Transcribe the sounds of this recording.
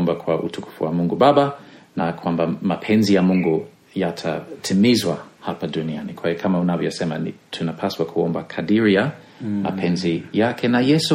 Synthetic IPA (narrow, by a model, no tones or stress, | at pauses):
mbakʰwaʔṵtʰukʰu̥fuwamũŋɡubabanakwambamapʰɛ̃nzijamuŋɡu | jatʰatʰimizwahapadunianikʰwahikʰamaunavjɔsɛmanitʰunapʰaswakʰuɔmbakʰadiɾija | ma̰pʰɛnzijakʰɛnajɛsu